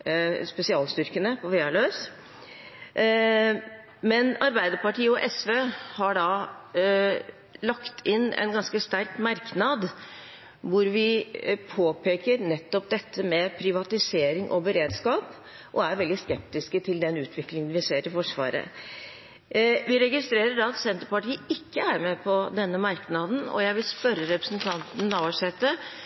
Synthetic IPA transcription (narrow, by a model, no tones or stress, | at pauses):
spɛsɪɑːlst̪ʏɾkənəpʰɔfɛːɑɭøːs | mɛnɑɾbæɪd̪əpɑʈiːəɔʔɛsʋeːhɑɖɑ | lɑkt̪ʰɪnːʔɛ̰nɡɑnskəst̪æɾkmɑɾknɑd̪ | ʋʊɾʋɪpʰoːpʰeːkəɾnɛt̪ːɔpd̪ɛt̪ʰːəmɛpʰɾɪʋɑt̪ɪseːɾɪŋʔɔ̰bəɾeːd̪skɑːp | ʔɔæɾʋɛld̪ɪskɛpt̪ɪskət̪ʰɪld̪ɛnʉːt̪ʰʋɪklɪŋənʋɪseːɾɪfɔʂʋɑ̰ːɾə̰ | ʋɪɾɛɡɪst̪ɾeːɾəɖɑɑt̪sɛnt̪əɾpɑʈiːəɪkːəæɾmɛpʰɔd̪ɛnːəmɑɾknɑd̪n̩ɔ̰jæɪʋɪlspœɾːəɾɛpɾəsnt̪ʰɑnt̪n̩ːɑʋəʂɛt̪ːə